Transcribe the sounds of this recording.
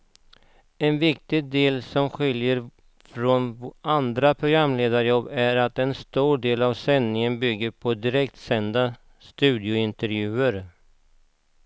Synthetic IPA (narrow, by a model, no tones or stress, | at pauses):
ɛnvɪk̚t̪ɪɡ̚d̪eːlsɔmɧɪljəɾ | fɾonand̪ɾapʰɾʊɡɾamːleːd̪aɾjɔbːæɾat̪ɛnst̪uːɖeːlavsɛnːɪŋənbʏɡːəɾpʰɔd̪ɪɾɛkt̪sɛnd̪a | st̪ʉ̟ːd̪ɪʊɪnt̪ɛɾjʉ̟ːəɾ